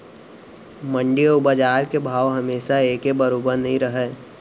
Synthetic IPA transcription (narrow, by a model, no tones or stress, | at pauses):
mə̃ɳɖiʊbəd͡ʒaːɾkebʱaːʋɦɐmeːʃaeːkebəɾoːbəɾnəɦĩɾəɦeː